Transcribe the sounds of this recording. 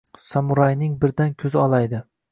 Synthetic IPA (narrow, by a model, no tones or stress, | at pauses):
sɒmʊɾajnɪŋbɪɾd̪ankʲʰɵzɪɒlˠajd̪ɪ